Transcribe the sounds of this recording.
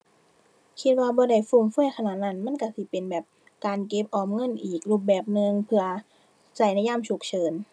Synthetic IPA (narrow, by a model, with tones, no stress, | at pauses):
kʰi˧t̪̚waː˧˩bɔː˧˦da˧˩jfu˧˩ŋfu˥˩əjkʰa˧naː˨˩t̪̚na˧˥˩nma˧˥˨nka˧˥˩si˧˦pe˧nbɛː˨˩p̚ | kaː˧nke˧˦˥p̚ʔɔː˨˩mŋɤ˧˥˨nʔiː˨˩k̚luː˧˩p̚bɛː˨˩p̚nɯ˧ŋpʰɯ˧ɐ | t͡ɕa˧˩jna˧˩jaː˧˥˩mt͡ɕʰu˨˩k̚t͡ɕʰɤː˧n